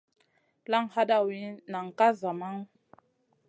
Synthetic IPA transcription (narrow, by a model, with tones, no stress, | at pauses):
la˦ŋha˦da˦wi˨˦na˨ŋ˨ka˦za˨ma˦ŋ